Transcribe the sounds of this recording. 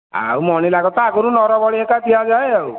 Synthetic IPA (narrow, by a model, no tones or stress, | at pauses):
a̰wmɔñilaɡɔt̪akɔɾũnɔɾɔbɔɭiekat̪ʰijad͡ʒajaw